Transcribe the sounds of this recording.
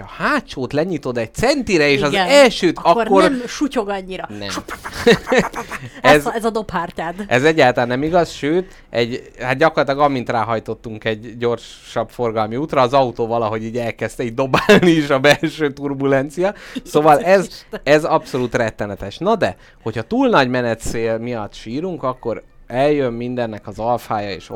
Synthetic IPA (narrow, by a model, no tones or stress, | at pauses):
ɒhaːtt͡ʃoːt̪lɛɲit̪o̞d̪ɛɟ̚t̪sɛnt̪iɾɛeːʃɒzɛlʃøːt̪ɒkːo̞rmʃucoɡɒɲːiɾɒnɛ̰m | ɛzzɒd̪ophaːrcaːd̪ʔɛzɛɟːaːlt̪ɒlaːnːɛmiɡɒsʃøːt̪ | ɛɟhat̪̚ɟɒkorlːt̪ilɒɡɒmːint̪raːɦɒjt̪o̞t̪ːuŋkɛɟːo̞rʃ | ʃɒbfo̞rɡɒlmiuːt̪rɒːzɒut̪oːvɒlɒɦo̞ɟiːɟɛlkɛst̪ɛiːɟd̪o̞baːlniiʃɒbɛlʃøːt̪urbulɛnt̪sijɒsoːvɒlɛzɛzɒpso̞luːt̪rɛt̪ːɛnɛt̪ɛʃnɒd̪ɛ | ho̞chɒt̪uːlnɒɟmɛnɛt̪seːlmijɒt̪ːʃiːɾuŋkɒkːo̞ɾ | ɛljømmind̪ɛnːɛkɒzɒlfaːjɒḛːʃ